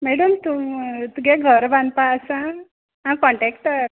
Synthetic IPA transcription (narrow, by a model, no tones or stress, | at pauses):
mɛɽəmt̪umt̪uɡɛ̃ɡʱəɾbʱãnpaːsã | ãkɔɳʈɛkʈə